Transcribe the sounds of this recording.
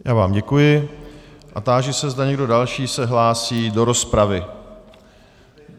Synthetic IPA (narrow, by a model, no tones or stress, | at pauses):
jʔaːvaːmɟɛkujɪ | ʔat̪aːʒɛsɛzdaɲɛɡdo̞dalʃiːsɛɦlaːsiːdo̞ɾo̞spɾavɪ